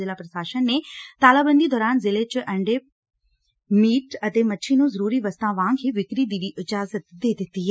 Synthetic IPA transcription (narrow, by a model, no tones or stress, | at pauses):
ɪlaːpɾəsaːʃənːeːt̪aːlaːbənd̪iːd̪ɔːɾaːnzɪleːt͡ʃʔəɳɖeː | miːʈət̪eːmətːʃʰiːnũːzəɾuːɾiːʋəst̪ãːʋãːŋɡɦiːʋɪkɾiːd̪iːdiːʔɪd͡ʒaːzət̪d̪eːd̪ɪt̪ːiːɦɛː